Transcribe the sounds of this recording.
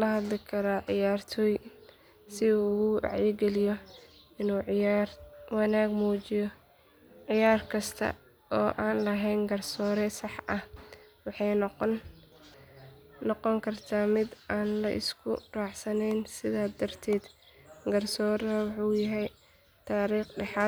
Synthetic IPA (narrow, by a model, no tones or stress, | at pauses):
lɐɦɐd̪lɪkʰɐɾaːʕɪjaːrt̪ʰɔːj | sɪuːʊɣʊɑ̰ʕjɪɡɛlɪjɔ | ɪnuːrwɑnaːɡmuːt͡ʃɪjɔ | ʕɪjaːrkʰɐst̪ʰɐ̰ | ʔɔːʔaːnlɐɦɛjnɡɐrsɔːɾɛsɑħʔɐhwɑħɑj | nɔqɔŋkʰɐrt̪ʰaːmɪd̪aːnlɐʔɪ̰skʰʊ̰raːʕsɐnɛjnsɪðaːd̪ɐrt̪ʰɛːd̪ɡɐrsɔːɾɐɐwʊħuːjɐɦɛj | t̪ʰaːɾiːχɖɑħɑː